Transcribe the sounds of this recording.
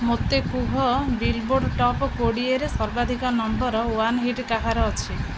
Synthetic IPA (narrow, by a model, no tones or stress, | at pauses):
mot̪ːekuɦɔbilboɖʈɔpkoɽieɾesɔɾbad̪ʱikɔnɔmbɔɾɔwanɦiʈkakʰaɾɔːt͡ʃʰi